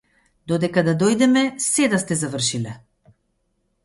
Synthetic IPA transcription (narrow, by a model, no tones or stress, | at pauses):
d̪ɔd̪ɛkad̪ad̪ɔjd̪ɛmɛsɛd̪ast̪ɛzavər̩ʃilɛ